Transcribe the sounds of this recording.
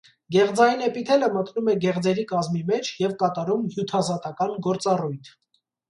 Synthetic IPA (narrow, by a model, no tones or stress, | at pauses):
ɡɛʁd͡zɑjinɛpit̪ʰɛləmət̪numɛɡɛʁd͡zɛɾikɑzmimɛt͡ʃʰjɛvkɑt̪ɑɾumhjut̪ʰɑzɑt̪ɑkɑnɡɔɾt͡sɑrujt̪ʰ